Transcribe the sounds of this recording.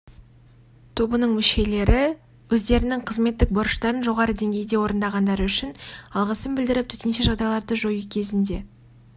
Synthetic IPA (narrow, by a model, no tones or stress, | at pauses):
t̪ʰobənəɴmʏʃe̞le̞ɾɪ | wɵzd̪e̞ɾɪnɪŋqʰəzme̞t̪ːɪk̚boɾʃt̪ɑɾənʒo̞ʁɑɾəd̪e̞ŋɡʲe̞jd̪e̞wo̞ɾənd̪ɑʁɑnd̪ɑɾəʏʃɪnɑlˠʁəsəmbɪld̪ɪɾɪp̚t̪ʰɵ̥t̪enʃeʒɑʁd̪ɑjlˠɑɾd̪əʒojukʲʰe̞zɪnd̪e̞